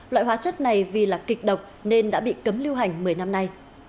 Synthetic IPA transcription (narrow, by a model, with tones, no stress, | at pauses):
la̰˧˨jɦwaː˨˦t͡ɕə˦˥t̚na˨˩jvi˨˩laː˨˩kï˨˩k̟̚ɗə˨˩wk͡p̚ne˧nɗa̰ː˧˥ɓḭ˧˨kə˨˦mli˧wɦa˨˩jŋ̟mɨ˨˩əjna˧mna˧j